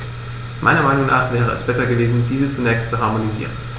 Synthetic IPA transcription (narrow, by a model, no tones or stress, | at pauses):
mʔa̰ɪnɐmaɪnʊŋna̰ːχv̥ɛːʁ̞əʔɛ̰sb̥ɛsɐɡəveːzn̩diːzət͡sunɛːçstt͡suɦaɐmonizḭːʁ̞ən